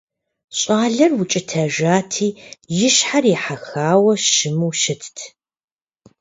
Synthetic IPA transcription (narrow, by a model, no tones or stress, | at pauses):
ɕʼaːɮɐrwʊt͡ʃʼɪtʰɐʒaːtʰiːjɪʃħarjɪħaxaːwɐʃɨmuːʃɪtʰtʰ